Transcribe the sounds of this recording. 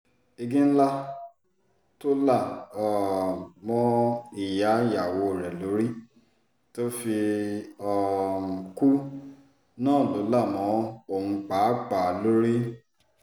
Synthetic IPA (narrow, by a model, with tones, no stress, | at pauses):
i˧ɡĩ˦n̩˦la˦ | to˦la˦˨ɔ˨mɔ̃˦i˨ja˨˦ja˨wo˨˧˨ɾɛ˨lo˨˦ɾi˦ | to˦fi˧ɔ˧˨ku˦ | nãː˦˨lo˨˦la˦˨mɔ̃˨˦o˦˨hũ˧k͡pa˨˦k͡pa˨lo˦ɾi˦